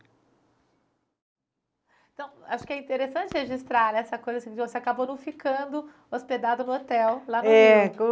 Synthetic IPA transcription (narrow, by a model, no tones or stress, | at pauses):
t̪ɐ̃w̃aʃʊ̥kɪɛĩnt̪eɾesɐ̃t͡ʃɪheʒist̪ɾaɾɛsɐkojzɐsĩkd͡ʒvoseakabonɐ̃w̃fikɐ̃d̪ʊ | osped̪ad̪ʊnʊot̪ɛwlanɛk